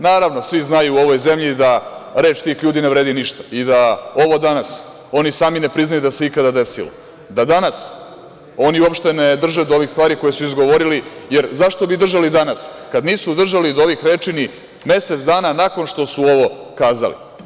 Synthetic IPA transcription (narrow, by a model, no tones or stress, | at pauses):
naːɾaʋnosʋiznajuːo̞ʋo̞jze̞mʎid̪aɾe̞ːt͡ʃt̪iːxʎuːd̪ineʋɾeːd̪iniʃt̪ḁid̪ao̞ʋo̞d̪anas | o̞nisaːmine̞pɾiznajud̪aseikad̪ad̪e̞sḭlo̰ | d̪ad̪anas | o̞niuo̞pʃt̪e̞ne̞d̪r̩ʒed̪oo̞ʋiːxst̪ʋaːɾiko̞jesuizɡo̞ʋo̞ɾilije̞ɾzaʃt̪o̞bid̪r̩ʒalid̪anaskad̪niːsud̪r̩ʒalid̪ooʋixɾeːt͡ʃini | me̞set̪sd̪aːnanako̞nʃt̪o̞suo̞ʋo̞kaːza̰lḭ